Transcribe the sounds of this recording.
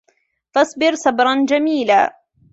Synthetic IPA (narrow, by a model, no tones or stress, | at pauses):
fɑsˤbɪɾsabɾˤɑnd͡ʒamiːla̰ː